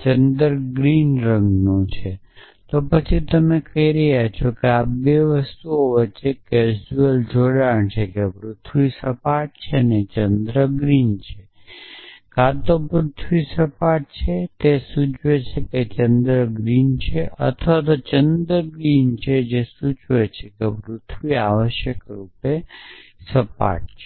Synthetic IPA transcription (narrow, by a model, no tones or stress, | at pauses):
t͡ʃənd̪ɾɡɾinɾəŋɡnõt͡ʃʰe | t̪opət͡ʃʰit̪əmekəɦiɾəɦat͡ʃʰokeap̚beʋəst̪uoʋət͡ʃːeked͡ʒuəld͡ʒoɽaɳt͡ʃʰekepɾʊt̪ʰʋisəpaʈ̚t͡ʃʰenet͡ʃənd̪ɾəɡɾint͡ʃʰe | kat̪opɾʊt̪ʰʋisəpaʈ̚t͡ʃʰet̪esut͡ʃʋet͡ʃʰeket͡ʃə̃nd̪ɾəɡɾint͡ʃʰeʔə̰t̪ʰʋat̪ot͡ʃənd̪ɾəɡɾint͡ʃʰed͡ʒesut͡ʃʋet͡ʃʰekepɾʊt̪ʰʋiaʋəʃjəkɾupe | səpa̰ʈ̚t͡ʃʰe